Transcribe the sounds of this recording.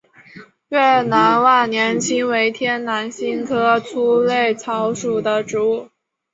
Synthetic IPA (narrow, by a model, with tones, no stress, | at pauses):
ɥɛ˥˩na˧˥nwa˥˩njɛ˧˥nt͡ɕʰi˥ŋwe˧˥ɪt̪ʰjɛ˥nna˧˥nɕi˥ŋkʰɤ˥t͡sʰu˥le˥˩ɪt͡sʰɑ˧˥ʊʂu˨˩d̪ə˦ʈ͡ʂɻ̩˧˥u˥˩